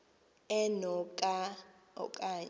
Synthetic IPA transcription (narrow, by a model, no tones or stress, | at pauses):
ɛnɔkʼa | ɔ̰kʼaɲ